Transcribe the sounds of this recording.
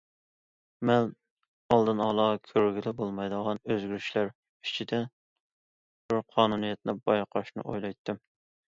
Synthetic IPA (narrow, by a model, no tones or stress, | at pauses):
mɛn | ɑlˠd̪ɨnɑlˠɑkʲʰøɾɡʲilɪbolˠmɑjd̪əʁɑnøzɡʲyɾyʃlæɾ | it͡ʃʰid̪ɛ | b̥ɪɾqʰɑːnunijɛt̪̚nɪbɑjqʰɑʃnɨ̰ʔo̰jlˠɑjt̪ʰːɪm